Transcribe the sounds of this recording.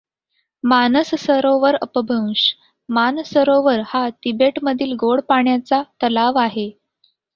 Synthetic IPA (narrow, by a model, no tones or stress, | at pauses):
manəssəɾoʋəɾəpəbʱəwɕ | mansəɾoʋəɾhat̪ibeʈməd̪ʱiːlɡoɽpaɳjat͡sat̪əlaʋaɦe